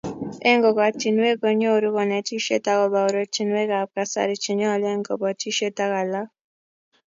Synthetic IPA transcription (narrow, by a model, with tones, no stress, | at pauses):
ɛ˦ŋɡɔ˨ka˨t͡ʃi˨nwe˦ko˨ɲo˦˨ɾu˦kɔ˨nɛ˨ti˦ʃe˦ta˦kɔ˨ba˨o˨ɾo˨t͡ʃi˨nwe˦ka˨p̚ka˨sa̰˦ɾi˨t͡ʃi˨ɲɔ˦˨le˦ŋɡɔ˨bɔ˨ti˦ʃe˦ta˦ka˨la˦k